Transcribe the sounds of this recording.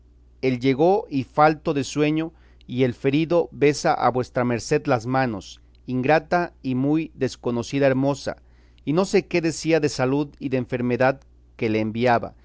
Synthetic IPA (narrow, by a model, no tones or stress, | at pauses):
e̞lʝe̞ɣo̞ifalt̪o̞ðe̞swe̞ɲo̞ | ie̞lfe̞ɾiðo̞βe̞saʔa̰βwe̞st̪ɾame̞ɾse̞ðlazmãno̞s | iŋɡɾat̪aimujðe̞sko̞no̞siðaeɾmo̞sa̰ | ino̞se̞ke̞ðe̞siaðe̞saluðiðeːɱfe̞ɾme̞ðað | ke̞le̞ːmbiaβa̰